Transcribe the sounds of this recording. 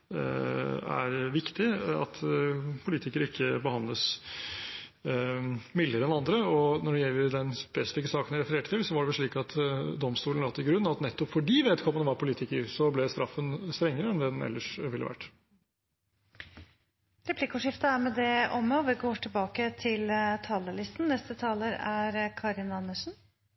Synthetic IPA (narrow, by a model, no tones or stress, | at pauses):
æ̰ɾʋɪkt̪ɪɑ̰t̪pʰʊliːt̪ɪkəɾɪkːəbəhɑnd̪ləs | mɪlːəɾəɛnɑnd̪ɾəɔnɔɖɛjɛlːəɾd̪ɛnspɛsɪ̥fɪkːəsɑːkənæɪɾɛfəɾeːʈət̪ʰɪlsɔʋɑɖɛʋɛlʂɭiːkɑt̪d̪ɔmst̪uːlnɑt̪ːɪɡɾʉnːɑt̪nɛt̪ːɔpfɔɖiːʋeːd̪kʰɔmːənəʋɑɾpʰʊliːt̪ɪkəɾsɔblɛst̪ɾɑfːənst̪ɾɛŋːəɾəɛnd̪ɛnɛ̰lːəʂʋɪlːə̰ʋæ̰ʈː | ɾɛpʰlɪkːʊʂɪft̪əæɾmɛd̪ɛɔmːəʋɪɡoːʈʰɪlbɑːkət̪ʰɪlt̪ʰɑːləlɪst̪n̩nɛst̪ət̪ʰɑːləɾæɾkʰɑɾɪnɑnːəʂn̩